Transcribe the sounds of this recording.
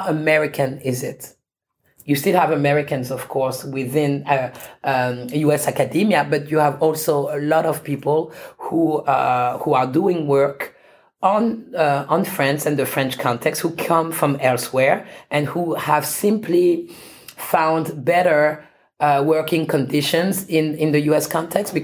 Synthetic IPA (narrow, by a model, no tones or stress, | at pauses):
əmɛɹɪkʰɨ̃nɪzɪt | jɨstɪlˠævəmɛɹɪkɨ̃nzʌv̥kʰɔɹswɪðɪ̃nə | juɛsakɨdĩmiɨbʌtjɨəvɔlˠsoʊəlɔɾʌv̥pipəl̩ˠhu | huə˞duɪ̃ŋwɜ˞k | ə̃nə̃nfɹɛ̃nsɨ̃nðɨfɹɛ̃nt͡ʃkʰɑ̃ntʰɛkst̚hukʰʌ̃mfɹʌ̃mɛlˠswɛɹʔɨ̃nhuhæv̥sɪ̃mpʰli | fãʊ̃ndbɛɾə˞ | wɜ˞kɪ̃ŋkʰɨ̃ndɪʃɨ̃nzɪ̃nɪ̃nðɨjuɛskʰɑ̃ntʰɛksb̥ɨ